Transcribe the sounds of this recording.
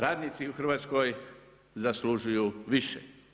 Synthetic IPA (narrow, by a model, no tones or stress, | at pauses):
ɾaːd̪nit̪siuxɾr̩ʋaːt̪skoj | zasluʒujuʋiʃḛ